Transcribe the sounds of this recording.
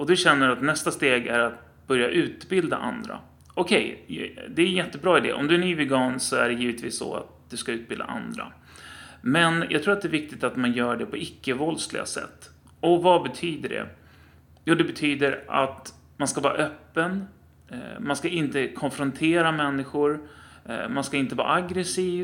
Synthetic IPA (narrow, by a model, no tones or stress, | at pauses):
ɔd̪ɵɕɛnːəɾat̪nɛst̪ast̪eːɡæɾat̪̚ | b̥œɾjaʔʉ̟ːt̪bɪld̪a̰ʔa̰nd̪ɾa̰ | ɔkʰɛjd̪ɛæjɛt̪ːəbɾɑːɪd̪ḛːʔɔ̰md̪ɵænyːvɛɡɑːnsɔæ̰ɖɛjiːvət̪vḭːsːɔ̰a̰t̪̚d̪̥ɵskaʉ̟ːt̪̚bɪld̪a̰ʔa̰nd̪ɾa̰ | mɛnjʔɡt̪ʰɾuːɾat̪d̪ɛːvɪk̚t̪ɪt̪at̪manjœːɖɛpʰɔɪkːəvɔlsklɪ̰ɡa̰sɛ̰t̪ː | ɔvabɛt̪ʰyːd̪əɖɛ̰ | juːd̪ɛbɛt̪ʰyːd̪əɾa̰t̪ | manskavɑːɾa̰ʔœpːən | manskaɪnt̪əkʰɔnfɾɔnt̪ʰeːɾamɛnːɪɧʊɾ | manskaɪnt̪əvɑ̰ːɾʔaɡɾɛsiːv